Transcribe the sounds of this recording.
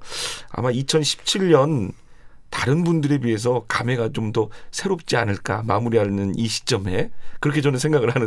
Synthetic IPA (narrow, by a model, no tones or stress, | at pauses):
a̰mait͡ɕʰʌnɕʰi̥p̚t͡ɕʰiʎɲʌn | taɾɯnbundɯɾe̞bɥiɦe̞s̬ʰʌkame̞ɡat͡ɕomdʌsʰe̞ɾop̚t͡ɕ͈ianɯɭk͈amamuɾiɦaɭnɯniɕʰi̥t͡ɕ͈ʌme̞kɯɾʌkʰe̞t͡ɕʌnɯnsʰe̞ŋɡaɣɯɭhanɯ